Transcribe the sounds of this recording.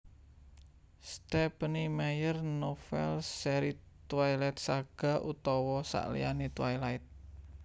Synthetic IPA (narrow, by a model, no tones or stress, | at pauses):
st̪ɛpənimejərnofɛ̰lsɛɾi | t̪wajlɛt̪̚saɡ̥a̤ʔut̪ɔwɔsa̰ʔlḭja̰nit̪wajlaɪt̪̚